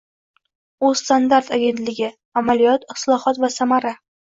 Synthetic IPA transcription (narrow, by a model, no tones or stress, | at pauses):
ʊ̥st̪and̪aɾt̪ʰaɡʲe̞nt̪lɪɡʲɪ | amalijɒt̪ɪt̪lˠɒhɒt̪vasamaɾa